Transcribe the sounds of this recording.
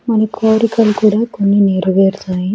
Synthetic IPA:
mɐnɐkoːɾikɐlkuːɽaːkonːineːɾɐʋeːɾt̪aːji

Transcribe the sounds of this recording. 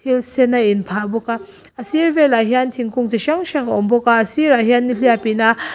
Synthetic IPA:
tʰilsenːainpʰabɔka | ɐsiɾvelaɦiantʰiŋkuŋzeʃaŋʃaŋaɔmbɔkaɐsiɾaɦianːiliapina

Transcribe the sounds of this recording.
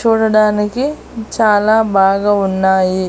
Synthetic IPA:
t͡ʃuːɽɐɽaːniki | t͡ʃaːlaːbaːɡaːunːaːji

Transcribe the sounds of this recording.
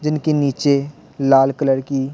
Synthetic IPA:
d͡ʒɪnkeniːt͡ʃe | laːlkələɾki

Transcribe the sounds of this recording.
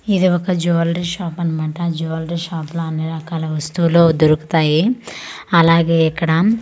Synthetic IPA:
id̪iɔkɐd͡ʒuʋɐlɾiʃaːpɐnimɐːʈɐd͡ʒuːʋɐlɾiʃaːploɐnːiɾɐkaːlɐʋɐst̪uloːd̪oɾuku̥t̪aːji | ɐlaːɡe̞ːikːɐɽɐ

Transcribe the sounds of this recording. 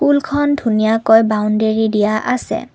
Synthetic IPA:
kulkʰɔndʱunijakojbawndeɹidijaʔa̰sɛ̰

